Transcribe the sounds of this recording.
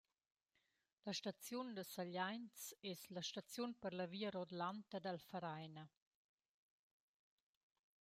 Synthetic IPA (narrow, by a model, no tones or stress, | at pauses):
ləʃtat͡sjund̪əsaʎajnt͡sɛslɐʃtat͡sjunpəɾlɐviːəɾod̪lant̪əd̪əlfəɾajnə